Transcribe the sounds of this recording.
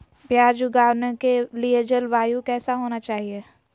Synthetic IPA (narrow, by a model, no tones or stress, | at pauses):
bjaːd͡ʒuɡaːʋnekelied͡ʒəlʋaːjukɛːsaɦoːnat͡ʃaːɦie